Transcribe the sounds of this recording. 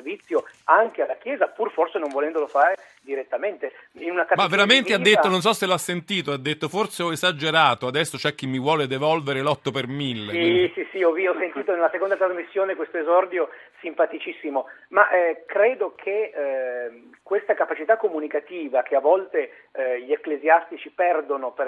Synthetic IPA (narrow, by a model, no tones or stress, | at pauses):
srvit̪sːjoaŋk̟ealːakjɛːzapurforsenõɱvolɛnd̪olofaːɾe | d̪iɾet̪ːament̪einunakamavːeɾament̪ead̪ːet̪ːonons̬ɔsːeloasːent̪iːt̪oad̪ːet̪ːoforseɔezad͡ʒeɾaːt̪oad̪ɛsːot͡ʃoɛk̟ːimːivwɔːled̪evɔlveɾelɔt̪ːopermilːeisisiɔviɔsːent̪iːt̪onelasekond̪at̪ɾazmisːjoːnekwest̪oezɔrd̪josimpat̪it͡ʃisːimomaʔkɾeːd̪okʰe | kwest̪akapat͡ʃit̪akːomunikat̪iːvak̟eavːɔlt̪e | ʎieklezjast̪it͡ʃipɛrd̪onoper